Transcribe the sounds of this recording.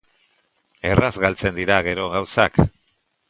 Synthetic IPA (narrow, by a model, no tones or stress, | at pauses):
e̞razɣalt͡se̞nd̪iɾaɣ̞e̞ɾo̞ɣawsak